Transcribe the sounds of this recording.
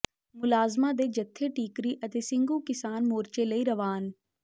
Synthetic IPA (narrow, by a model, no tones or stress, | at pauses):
mʊlaːzmãd̪eːd͡ʒət̪ʰːeːʈiːkɾiːʔət̪eːsɪ̃ŋɡũkɪsaːnmoːɾt͡ʃeləiɾəʋaːn